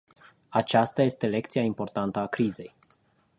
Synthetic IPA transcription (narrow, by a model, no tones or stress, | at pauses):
at͡ʃast̪aje̞st̪e̞le̞kt̪siaimpo̞rt̪ant̪əakɾize̞j